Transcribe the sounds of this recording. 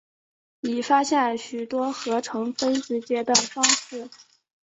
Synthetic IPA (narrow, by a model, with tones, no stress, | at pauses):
i˨˩fa˥ɕjɛ˥˩nɕy˨˩t̪wɔ˥xɤ˧˥ʈ͡ʂʰɤ˧˥ŋfə˥nʂɻ̩˧˥t͡ɕjɛ˥d̪ə˧˩fɑ˥ŋʂɻ̩˥˩